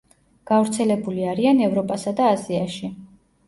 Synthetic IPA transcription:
ɡ̥avɾt̪sʰɛlɛbuliaɾianɛvɾɔpʼasad̪aːziaʃi

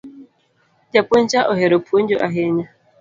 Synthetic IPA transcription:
d͡ʒapon̩t͡ʃaʔoɦeɾopʰoɲ̩d͡ʒoʔaɦeɲa

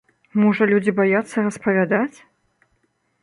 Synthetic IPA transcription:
mɔʐɐlʲud͡zʲibajat̪sːɐrɐspɐvʲad̪at͡sʲ

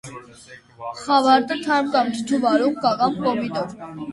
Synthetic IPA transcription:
χɑvɑɾt̪ʼət̪ʰɑɾmkɑmt̪ʰt͡ʃʰuvɑɾuχkɑkɑmkɔmit̪ɔ

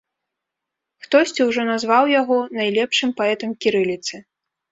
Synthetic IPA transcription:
xt̪ɔsʲt͡sʲiwʐɔnazvawjaɣɔnajlʲɛpʂɨmpaɛt̪ɐmkʲiɾɨlʲit̪sɨ

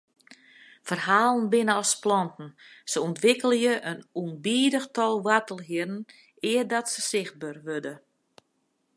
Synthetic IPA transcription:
fərhaːlˠənbɪnəɔsplɔntn̩səɔntʋɪkəlˠəjəʔənunbiːdəxtɔlˠʋatəlˠɦɪərn̩ | ɪːərdɔtsəsɪxt̚børʋødə

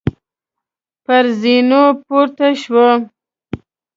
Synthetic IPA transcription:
paɾzinopoɾt̪aʃwə

